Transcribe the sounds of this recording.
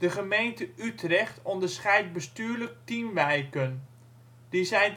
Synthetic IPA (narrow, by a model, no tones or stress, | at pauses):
d̥əχəmejntəytrɛχtʰɔndəɹsχɛjt̚bəstyːɹlək̚timʋɛjkən | d̥isɛjn